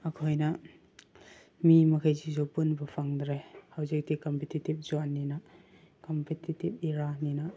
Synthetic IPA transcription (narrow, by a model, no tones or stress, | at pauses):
ɐkʰojnɐ | mimɐkʰajzizowpunbɐpʰaŋdɾejhawzik̚dikɔmpʰetitip̚zɔnːinɐ | kɔmpʰetʰitip̚iɾaninɐ